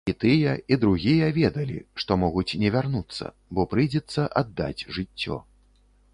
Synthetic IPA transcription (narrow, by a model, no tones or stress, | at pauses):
it̪ɨjɐid̪ɾuɣʲijɐvʲɛd̪ɐlʲḭʂt̪ɔmɔɣut͡sʲnʲɛvʲarnut̪sːɐ̰ | bɔpɾɨjd͡zʲɛt̪sːɐʔad̪ːa̰d͡zʲʐɨt͡sʲːɔ̰